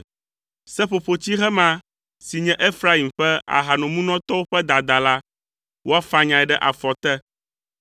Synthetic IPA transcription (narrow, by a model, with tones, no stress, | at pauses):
sɛ˦ɸo˨ɸo˨t͡ɕi˦ɦɛ˦mã˦ | si˨ɲɛ̃˦ʔe˦fɾa˦i˨mɸɛ˦a̰˨ɦa˨nɔ̃˨mũ˦nɔ̃˦t̪ɔ˦wo˦ɸɛ˦d̪a˨d̪a˨la˦ | wʔo˦a˦fa˦ɲã˨ɛ˨ɖɛ˦ʔa˨fɔ˨t̪ɛ˦